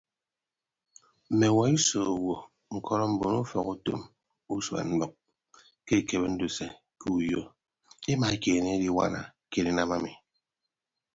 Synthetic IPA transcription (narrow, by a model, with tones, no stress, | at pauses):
m̩˨me˨wa˨i˦so˨wo˨ | ŋ̩˨kʰɔ˦ɾɔ˦m̩˨bo˨nu˦fɔ˨ku˦to̰˦m | u˦sa̰˨n̩˦bɔ˨k̚ | ke˦˨ke˨be˦n̩˦do˨se˨ | kʰu˦u˨jo˦ | e˦ma˨e˦ke˨ne˦di˦wa̰˦na̰˨ | ke˦˨ɾi˦na˦ma˦mi˨